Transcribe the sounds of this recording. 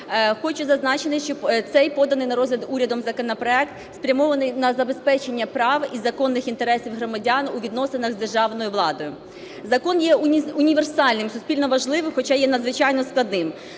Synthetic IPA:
xɔt͡ʃʊzɐznɑt͡ʃenɪʃt͡ʃɔt̪sɛjpɔd̪ɐnɪjnɐɾɔzʲlʲɐd̪uɾʲɐd̪ɔmzɐkɔnɐpɾɔɛk̚t̪ | spɾʲɐmɔʋɐnɪjnɐzɐbe̞spɛt͡ʃenʲːɐpɾɑʋizɐkɔnːɪxint̪eɾɛsʲiwɦɾɔmɐdʲɑnuʋʲid̪nɔsenɐɣzd̪e̞rʒɑʋnɔjʊʋlˠɑd̪ɔjʊ | zɐkɔnjɛʊnʲiʋersɑlʲnɪmsʊsʲpʲilʲnɔʋɐʒlˠɪʋɪmxɔt͡ʃɑjɛnɐd̪zʋɪt͡ʃɑjnɔsklˠɐd̪nɪm

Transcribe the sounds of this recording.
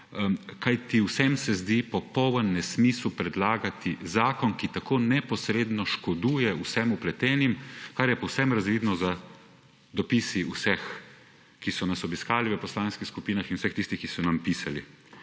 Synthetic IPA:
kajt̪iwsɛmsɛzd̪ipɔpɔwʋənːɛsmiːslupɾɛd̪laːɡat̪izaːkɔnkit̪akoːnɛpɔsɾeːd̪nɔʃkɔd̪uːjɛuwsɛmuplɛt̪ɛːnimkaɾjɛpɔwsɛmɾazʋiːd̪nɔza | d̪ɔpisiusɛx | kisɔnasɔbiskaːliʋəpɔslaːnskixskupiːnaxinwsɛxt̪ist̪ixkisɔnampisali

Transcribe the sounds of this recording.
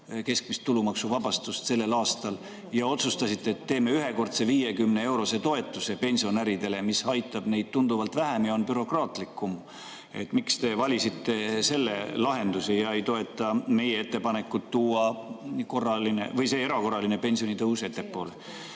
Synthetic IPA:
ke̞sk̚mist̪t̪ːulumɑksuvɑbɑst̪ust̪se̞lːe̞lɑːst̪ɑl | jɑo̞t̪sust̪ɑsit̪ːˑe̞ːt̪ːe̞ːme̞yɦe̞ko̞rt̪seviːje̞kymne̞e̞wɾo̞se̞t̪o̞e̞t̪ːˑuse̞pe̞nʲsio̞næɾid̪e̞le̞misɑjt̪ːˑɑb̥ne̞jd̪̥̚t̪und̪uvɑlt̪væɦæmjɑo̞npyɾo̞krɑːt̪ˑlikːˑum | e̞̰t̪ːˑmikst̪e̞vɑlʲisit̪ːe̞se̞lːe̞lɑɦe̞nd̪usejɑe̞jt̪o̞e̞t̪ˑːɑme̞jee̞t̪ːˑe̞pɑne̞kːˑut̪ːuːɑko̞rːɑline̞̰vɤjse̞ːe̞ɾɑko̞rːɑline̞pe̞nʲsio̞nit̪ɤwse̞t̪ːe̞pːo̞ːle

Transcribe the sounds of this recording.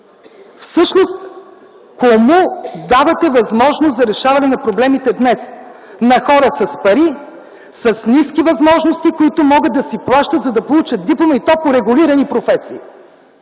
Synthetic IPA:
fsɤʃnost̪ | komud̪avɐt̪ɛvɐzmɔʒnost̪zɐɾɛʃavɐnɛnɐpɾoblɛmit̪ɛd̪nɛs | nɐxɔɾəsɐspɐɾi | sɐsniskivɐzmɔʒnost̪ikoit̪ʊmɔɡət̪̚d̪ɐsiplˠaʃt̪ət̪zɐd̪ɐpolˠut͡ʃət̪̚d̪iplˠomɐit̪ɔpʊɾɛɡʊliɾɐnipɾofɛsiː

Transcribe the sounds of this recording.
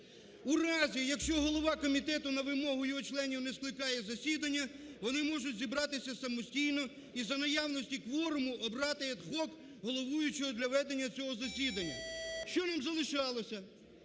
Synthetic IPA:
urɑzʲijɐkʃt͡ʃɔɦɔlˠɔʋɑkɔmʲit̪ɛt̪ʊnɐʋɪmɔɦʊjɔɦɔt͡ʃlˠɛnʲiwnɛsklˠɪkɑjɛzɐsʲid̪ɐnʲːɐʋɔnɪmɔʒʊtʲzʲibɾɑt̪ɪsʲɐsɐmɔsʲtʲijnɔ | izɐnɐjɑwnɔsʲtʲikʋɔɾʊmʊʔɔbɾɑt̪ɪɐd̪xɔk | ɦɔlˠɔʋujʊt͡ʃɔɦɔd̪lʲɐʋɛd̪enʲːɐt͡sʲɔɦɔzɐsʲid̪ɐnʲːɐ̰ʃt͡ʃɔnɑmzɐlˠɪʃɑlˠɔsʲɐ

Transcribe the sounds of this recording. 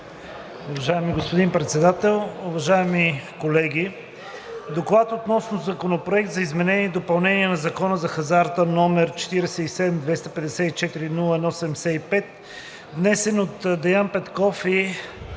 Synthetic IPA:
ʊvɐʒaɛmiɡospod̪impɾɛt̪sɛd̪at̪ɛlˠʊvɐʒaɛmikolɛɡ̟ʲi | d̪oklˠat̪ot̪nɔsnozɐkonopɾoɛk̚t̪zɐizmɛnɛniɛd̪opɐlˠnɛniɛnɐzɐkɔnəzɐxɐzaɾt̪ənɔmɛɾt͡ʃɛ̥t̪iɾɛsɛisɛd̪ɛmd̪vɛst̪əpɛd̪ɛsɛt̪it͡ʃɛt̪iɾinulˠəɛnɔsɛd̪ɛmɛsɛipɛt̪ | vnɛsɛnot̪d̪ɛjanpɛt̪kɔfɛ

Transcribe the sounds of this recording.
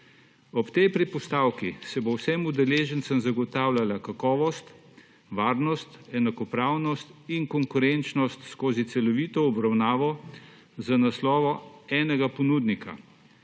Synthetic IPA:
ɔpt̪ɛjpɾipɔst̪aːwkisɛbowsɛmud̪ɛleːʒənt̪səmzaɡɔt̪aːwlʲalakakɔːʋɔst̪ | ʋaːɾnɔst̪ɛnakɔpɾaːwnɔst̪inkɔŋkʊɾɛnt͡ʃnɔst̪skoːzit̪sɛlɔʋiːt̪ɔɔbɾawnaːʋɔ | zanaslɔːʋɔɛːnɛɡapɔnuːd̪nikʰa̰

